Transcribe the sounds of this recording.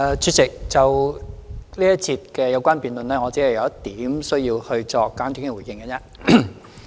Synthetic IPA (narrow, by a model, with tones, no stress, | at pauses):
t͡sʰyː˨˧t̚t͡sɪ˨k̚t͡sɐ˨w | liː˥jɐ˥t̚t͡sʰiː˧t̚kɛː˧jɐ˧wkʷaː˥npiː˨˩nlɵ˨nlɛː˥ŋɔː˨˧t͡siː˨˥hɐ˨˩jɐ˨˧wt̪iː˨˥msɵ˥ɥjiː˧whɵ˧ɥt͡sɔː˧kːaː˨˥nt͡ʃy˨˥ŋ˧˩wu˨˩jɪ˧ŋkɐ˨˧t͡sɛː˥